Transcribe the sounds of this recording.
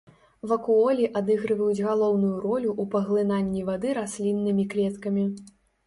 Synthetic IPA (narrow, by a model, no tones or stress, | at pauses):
vɐkuɔlʲiʔad̪ɨɣɾɨvɐjud͡zʲɣalˠɔwnujuɾɔlʲuʔupɐɣlˠɨnanʲːivad̪ɨɾasʲlʲinːɨmʲiklʲɛt̪kɐmʲi